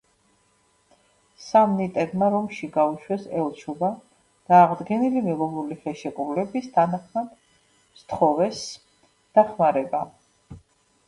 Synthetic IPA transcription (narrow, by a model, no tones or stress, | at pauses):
samnit̪ʼɛd̪maɾɔmʃiɡauʃwɛsɛlˠt͡ʃʰɔba | d̪̥aːʁd̪ɡɛnilimɛlɔvɾuliχɛʃɛkʼɾulɛbist̪ʰanaχmad̪̥ | st̪ʰχɔvɛs | d̪̥aχmaɾɛba